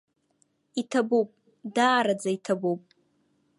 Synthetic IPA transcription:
itʰabupʼ | daːɾad͡zaitʰabupʼ

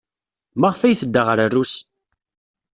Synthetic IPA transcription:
maʁfæjθəd̪ːəʁəɾərːus

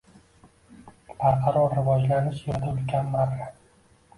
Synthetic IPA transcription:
b̥aɾqʰɑɾɒɾːɪvɒd͡ʒlaɾnɪsʊjɒd̪aʊlkʲʰanmaɾa

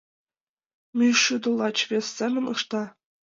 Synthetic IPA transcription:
mʲyʂud̪ɤ̆lˠɑt͡ɕʋʲesʲːemʲɘ̆nɤ̰̆ʂt̪ɑ

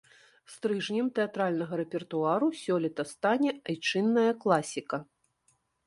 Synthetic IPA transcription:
st̪ɾɨʐnʲɐmt̪ɛat̪ɾalʲnɐɣɐɾɛpʲɛrt̪uaɾusʲɔlʲit̪ɐst̪anʲɛajt͡ʂɨnːɐjɐklˠasʲikɐ

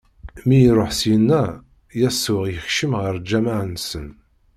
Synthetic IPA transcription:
mijiɾˤoħsjənːæ | jæsʊʁjəxʃəmʁəɾd͡ʒæmaʕənsən

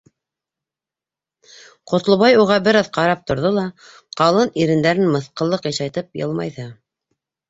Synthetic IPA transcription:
qŏt̪lˠŏβɑjuʁɑbɘ̆ɾɑðqɑɾɑp̚t̪ŏɾðolˠɑ | qɑlˠɤniɾɘ̆nd̪æɾɘnmɤ̆θqɤ̆lˠːɤqjɑʃɑjt̪ɤp̚jɤ̰lˠmɑ̰jðɤ

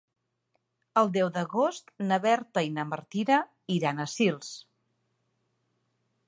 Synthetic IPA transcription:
əlˠd̪ɛwðəɣost̪nəβɛɾt̪əinəməɾt̪iɾə | iɾanəsilˠs

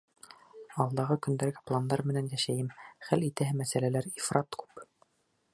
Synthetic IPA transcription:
ɑlˠd̪ɑʁɤkɵ̆nd̪æɾɡæplˠand̪ɑɾmɘ̆nænjæʃæjɘmχælit̪æɦɘmæsælælæɾifrɑt̪kʉ̥p

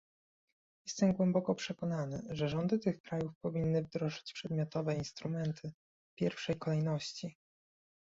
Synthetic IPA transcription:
jɛst̪ɛmɡwɛmbɔkɔpʂɛkɔnanɘ̰ʐɛʐɔnd̪ɘt̪ɘxkɾajufpɔvʲinːɘvd̪ɾɔʐɘt͡ɕpʂɛd̪mʲjɔt̪ɔvɛinst̪ɾumɛnt̪ʰɘ | pʲjɛɾfʂɛjkɔlɛjnɔɕt͡ɕi

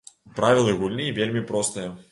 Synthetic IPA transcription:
pɾavʲilˠɨɣulʲnɨjvʲelʲmʲipɾɔst̪ɨjɐ

